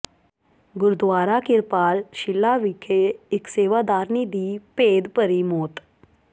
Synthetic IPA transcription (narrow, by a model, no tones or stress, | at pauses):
ɡʊɾd̪ʋaːɾaːkɪɾpaːlʃɪlːaːʋikʰeɪkseːʋaːd̪aːɾniːd̪iːpeːd̪pəɾiːmoːt̪